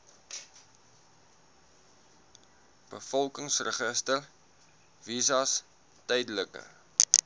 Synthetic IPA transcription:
b̥əfɔlˠkəŋsrəχəstər | vizɐs | tɛjdələkə̰

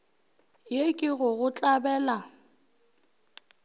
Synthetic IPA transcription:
jekʼɪɣʊɣʊt͡ɬʼabɛːla

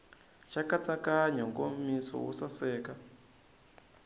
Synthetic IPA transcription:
t͡ʃakat͡sakaɲɔŋɡomisɔ̰wṵsasɛːka

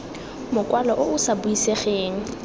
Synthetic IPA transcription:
mʊkʼwalɔʔʊʊsabuiseχeːŋ̩

